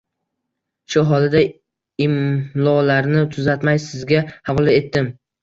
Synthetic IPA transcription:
ʃʊɦɒlɪd̪a | ɪmlˠɒlaɾnɪt̪ʰʊzat̪majsɪzɡʲahavɒlˠae̞t̪ːɪm

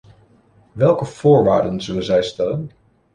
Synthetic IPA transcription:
ʋɛlˠkəv̥ʊːɹʋaːɹdənzɵlənzɛjstɛlən

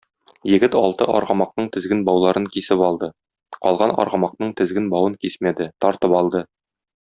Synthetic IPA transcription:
jɘ̆ɡɘt̪ɒ̰lˠt̪ɤ̰ʔɒ̰ɾʁɑmɑq̚nɤɴt̪ɘ̆zɡɘnbɒwlˠɑɾɤŋkisɘpɒlˠd̪ɤ | qɒlˠʁɑnɒ̰ɾʁɑmɑq̚nɤɴt̪ɘ̆zɡɘnbɒwɤŋkismæd̪ɘt̪ɒɾt̪ɤpɒlˠd̪ɤ

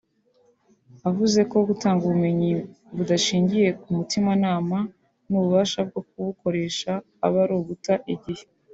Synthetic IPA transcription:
avuze̞ko̞ɡutaːŋɡuβume̞ɲi | βudaʃiːɲɟije̞kumutimanaːma | nuβuβaːʃab̚ɡo̞k̚uβuko̞ɾe̞ːʃaː | βaɾoːβutaʔiɟihe̞̥

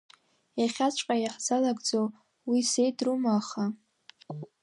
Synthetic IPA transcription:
jaχʲat͡ʃʷʼqʼajaħzalaɡʼd͡zow | wise̞jdrumaχa

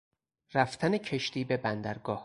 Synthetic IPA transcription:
ræft̪ʰænecʰeʃt̪iːbe̞bænd̪æɾɡɒːh

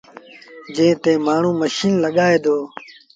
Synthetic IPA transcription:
d͡ʒẽːt̪eːmaːɳ̤ũːməʃiːnləɠaːeːd̪oː

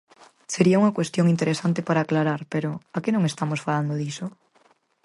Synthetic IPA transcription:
seɾiauŋɐkwest̪joŋint̪eɾesant̪epaɾaːklaɾaɾpeɾʊakenõŋest̪amosfaland̪oðiso

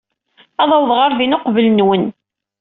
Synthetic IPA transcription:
ɑðˤɑwðˤʁɑɾðinoqvəlnwən

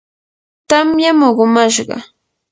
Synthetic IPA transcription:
t̪amjamoɢʊmaʃɢɑ̰

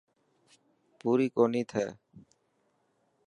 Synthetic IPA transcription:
puɾikonit̪ʰɛ

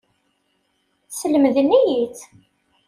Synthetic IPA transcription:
sələmðinːijit͡s

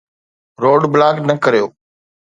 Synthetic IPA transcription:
ɾoːɖblaːɡnəkəɾjoː

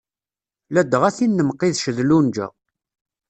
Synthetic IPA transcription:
læd̪əʁæθinːəmqːiðʃəðlund͡ʒæ̰

